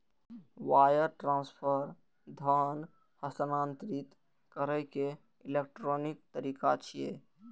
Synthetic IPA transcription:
waːjəɾʈɾãːnspʰəɾ | d̪ʱan | həst̪ənaːnt̪ɾɪt̪ | kəɾəke | ɪleːk̚ʈɾoːnɪk̚t̪əɾiːkat͡ʃʰije

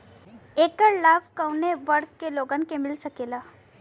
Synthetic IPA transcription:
eːkəɾlaːbkɐwneʋɐɾkːeloːɡənkemɪlsɐkeːlaː

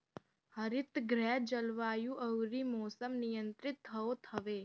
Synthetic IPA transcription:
həɾɪt̪ɡɾɛːd͡ʒəlʋaːjũʔəwɾimɔːsəmnɪjə̃nt̪ɾɪt̪ʰːəot̪ʰəʋeː

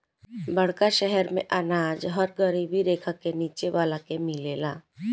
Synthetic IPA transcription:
bəɽ̤̃kaʃɛɦɛɾmḛ̃ʔɐnaːd͡ʒɦəɾɡəɾiːbʱiɾeːkʰakeniːt͡ʃeʋaːlakemɪleːlaː

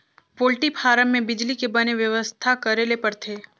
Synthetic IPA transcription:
poːlʈipʰaːɾəmːẽbɪd͡ʒlikebɐneʋjɐʋəst̪ʰakɐɾeːlepɐɾt̪ʰeː

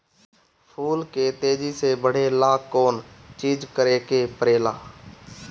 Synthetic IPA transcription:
pʰuːlket̪eːd͡ʒisebəɽ̤elaːkːoːnt͡ʃiːd͡ʒkəɾekepəɾeːlaː

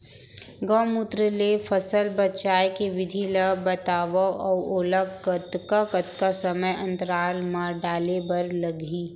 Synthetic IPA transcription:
ɡəmʊt̪ɾəlefʰɐsəlbɐtt͡ʃaːjkeʋɪd̪ʱiləbɐt̪aːʋəɔːoːləɡkət̪kakət̪kasɐməjɐ̃nt̪əɾaːlmãɖaːlebɐɾlɐɡi

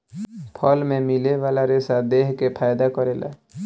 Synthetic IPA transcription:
pʰəlmẽmileʋalaɾesad̪ekkepʰajd̪akəɾela̰

